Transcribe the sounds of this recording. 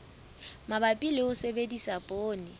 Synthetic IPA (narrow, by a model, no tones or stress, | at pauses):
mabapʼilɪʊsebedisapʼoːnɪ